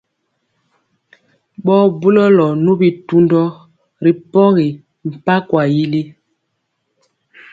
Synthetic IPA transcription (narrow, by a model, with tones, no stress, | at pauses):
ɓɔ˦bu˦lɔ˦lɔ˨nu˦bi˨tu˦ndɔ˦ | ɾi˨pɔ˦ɣi˨ | m̩˨pa˦kwa˨ji˦li˦